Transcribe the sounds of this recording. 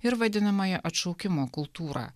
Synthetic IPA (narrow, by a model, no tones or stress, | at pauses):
ɪɾʋɐd̪ʲɪnɐmɐjɛʔɐt̪ʃɔʊkʲɪmoːkʊlˠt̪uːɾɑ̰ː